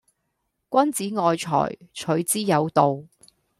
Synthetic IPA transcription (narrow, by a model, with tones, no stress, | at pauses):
kʷɐ˥nt͡siː˨˥ŋɔː˨˧jt͡ʃʰɔ̰ː˨˩jt͡ʃʰɵ˨˥ɥt͡siː˥jɐ˨˧wt̪o˨w